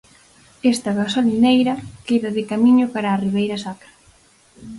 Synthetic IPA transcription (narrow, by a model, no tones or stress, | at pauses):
est̪aɣasolinejɾɐkeðɐðɪkamiɲopaɾaːriβejɾɐsakɾɐ